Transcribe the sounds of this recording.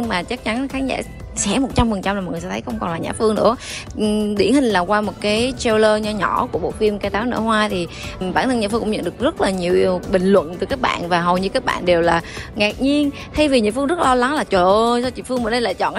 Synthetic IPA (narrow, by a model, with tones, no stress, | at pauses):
ɲɨ˧ŋmaː˨˩t͡ɕa˦˥k̚t͡ɕa˨˦nxaː˨˦nza̰ː˧˩ | sɛ˧˥mo˨˩t̚t͡ɕa˧mfə˨˩nt͡ɕa˧ml̚ːn˨˩sa˧t̪ʰːjxə˧wŋ͡mkɔ˨˩nlaː˨˩ɲa̰ː˧˨fɨ˧əŋnɨ̰˧˥ə | ɗḭ˧˩ənhï˨˩ŋ̟laː˨˩kwaː˧mo˨˩t̚kaː˨˦jt͡ɕe˧wləː˧ɲɔ˧ɲɔ˧˩ku˧˩əɓo̰˧˨fi˧əmkaː˧jt̪aː˨˦wnə̰ː˧˥hwaː˧t̪ʰi˨˩ɓaː˧˩nt̪ʰə˧nɲaː˧˩fɨ˧kŋ͡mɲə̰˧˨nɗɨ˨˩ək̚zə˦˥t̚laː˨˩ɲi˨˩əwəɓï˨˩ŋ̟lwə̰˧˨nt̪ɨ˨˩kaː˦˥k̚ɓa̰ː˧˨nvaː˨˩ɦə˨˩wɲɨ˧kaː˨˦˥k̚ɓa̰ː˧˨nɗe˨˩wlaː˨˩ŋaː˨˩k̚ɲi˧ən | t̪ʰa˧jvi˨˩ɲa̰ː˧˩fɨ˧ŋzt̚l̚lɔ˧la˨˦ŋlaː˨˩t͡ɕo˨˩ʔsɔ˧t͡ɕḭ˧˨mfɨ˧əŋmə˨˩ɗə˧jla̰ː˧˨jt͡ɕɔ̰˧˨nʔ